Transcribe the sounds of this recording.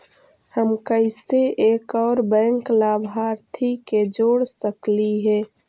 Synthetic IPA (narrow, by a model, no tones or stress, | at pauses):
həmkəɪseʔeːkɔːɾbɛ̃ːŋklaːbʱɦaːɾt̪ʰiked͡ʒoːɽsəkliɦɛː